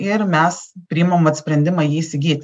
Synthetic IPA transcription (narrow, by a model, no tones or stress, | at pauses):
ɪɾmʲɛspʲɾʲɪɪmomʋɐt̪sʲpʲɾʲɛnʲd̪ʲɪmɑːjiːisʲɪɡʲiːt̪ʲ